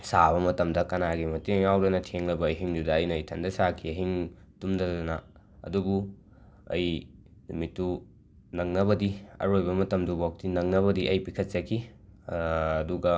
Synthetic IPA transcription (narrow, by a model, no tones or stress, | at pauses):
saβɐmɐtɐmdɐkɐnaɡimɐtiŋjawɾɐnɐtʰeŋlɐbɐːjɦiŋdudɐɐjnɐɐjtʰɐndɐsakʰiɐɦiŋtumdɐdɐɐnɐ | ɐ̰dubu | ɐ̰jnumitːu | nɐŋnɐβɐdiɐ̰ɾojbɐmɐtɐmdubok̚tinɐŋnɐβɐdiʔɐjpikʰɐt̚t͡ʃɐkʰi | duɡɐ